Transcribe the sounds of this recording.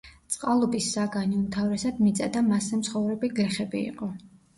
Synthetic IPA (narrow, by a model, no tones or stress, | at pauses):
t̪sʼqʼalˠɔbisːaɡaniumt̪ʰavɾɛsad̪mit̪sʼad̪amasɛmt̪sʰχɔvɾɛbiɡɾɛχɛbḭḭqʼɔ